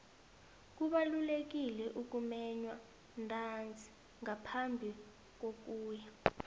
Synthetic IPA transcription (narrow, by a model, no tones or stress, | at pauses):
k̬uɓalulek̬ilɛʔuk̬umɛɲwa | ntʼand͡zʱi̥ | ŋapʰambʱi | k̬ok̬uːja